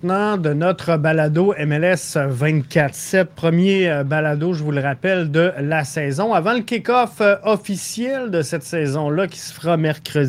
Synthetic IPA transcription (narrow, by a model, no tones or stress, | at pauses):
nɑ̃d̪ənɔt̪χəbalad̪oɛmɛlɛsvɛ̃t̪kʲat̪χsɛt̪̚pʁəmjebalad̪oʒəvuləʁapɛld̪əlasɛːzɔ̃avɑ̃ləkʲekɔfɔfisjɛld̪əsɛt̪sɛːzɔ̃lakʲi̥sə̥fʁamɛʁkʲʁə